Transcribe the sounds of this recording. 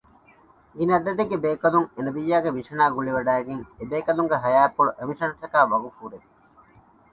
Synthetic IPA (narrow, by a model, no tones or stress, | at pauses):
ɡinɐd̪ɐd̪eɡebeːkɐluŋenɐbijːaːɡeʋiʂɐnaːɡuɭiʋɐɖæːeɡeŋebeːkɐluŋɡeɦɐjaːpːoɭuʔemiʂɐnʈɐkæːʋɐɡufuːɾei